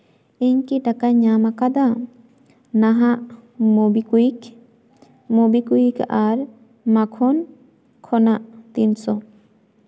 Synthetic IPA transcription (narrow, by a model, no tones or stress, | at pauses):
iɲkiʈakaɲamakad̪a | naɦaʔmobikuik | mobikujikaɾ | makʰɔn | kʰɔnaʔt̪insɔ